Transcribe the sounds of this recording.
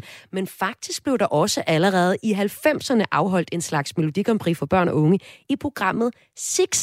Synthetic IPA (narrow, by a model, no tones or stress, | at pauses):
menfɑ̈ɡ̥̚d̥isɡ̥̚b̥le̝ʊdɑ̈ʔɒ̽səʔæləʁɛːð̞̩ˠʔiɦælfem̰sɐnəʔɑ̈ʊɦɒ̽l̰d̥e̝nslɑ̈ɡ̥sme̝lo̝d̥iɡ̥ɒ̽mpʰʁḭːfɒ̽b̥ɶɐ̰nɒ̽ɔ̽ŋəipʰʁo̝ɡ̥ʁɑ̈m̰ð̩ˠ | seɡ̥s